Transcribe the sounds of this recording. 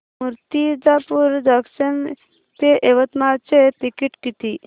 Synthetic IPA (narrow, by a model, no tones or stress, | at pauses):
muɾt̪id͡ʒapuɾd͡ʒəksən | t̪eʔeʋət̪mat͡ʃet̪ikiʈkit̪i